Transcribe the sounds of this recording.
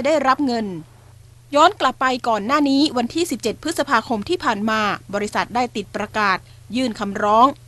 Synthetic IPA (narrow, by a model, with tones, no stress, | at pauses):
daː˥˩jɾa˦˥p̚ŋɤ˧n | jɔː˦˥nkla˨˩pːa˧jkɔː˨˩nːaː˥˩niː˦˥wa˧nt̪ʰiː˥˩si˨˩p̚t͡ɕe˨˩t̪̚pʰːɯ˦˥t̪̚sa˧pʰaː˧kʰo˧mt̪ʰiː˥˩pʰaː˨˩nmaː˧bɔː˧ɾi˦˥sa˨˩t̪̚daː˥˩jt̪i˨˩t̪̚pɾa˧kaː˨˩t̪̚ | jɯː˥˩nkʰa˧mɾɔː˦˥ŋ